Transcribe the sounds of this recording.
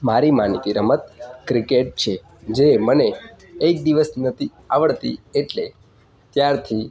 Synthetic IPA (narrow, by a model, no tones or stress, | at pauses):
maɾimanik̪iɾəmət̪kɾikeʈ̚t͡ʃʰe | d͡ʒeməneː | k̚d̪iʋəsnət̪ʰi | aʋəɭt̪ḭeʈle | t̪jaɾt̪ʰi